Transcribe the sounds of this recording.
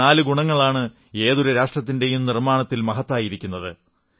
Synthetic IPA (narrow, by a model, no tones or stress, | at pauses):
aːlɨɡuɳɐŋːɐɭaːɳɨ | e̞ːðuɾɐɾaːʂʈrɐt̪̬ːinde̞jumnirmaːɳɐt̪ːilmɐɦɐt̪ːaːjiɾikʲːunːɐðɨ